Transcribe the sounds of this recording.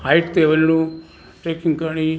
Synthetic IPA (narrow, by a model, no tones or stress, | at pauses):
ɦaɪʈt̪eːʋəlnũː | ʈeːkɪ̃ŋɡkəɾɳ̃i